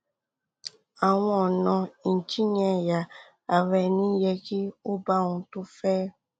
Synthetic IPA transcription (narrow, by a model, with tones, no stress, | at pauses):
a˨w̃ɔ̃˦ɔ˨nɔ̃˧i˨t͡ʃi˦ɲɛ̃˨ja˨ | a˨ɾɛ˨nĩ˦jɛ˧ki˦o˦ba˦ŋũ˧tu˦fɛ˦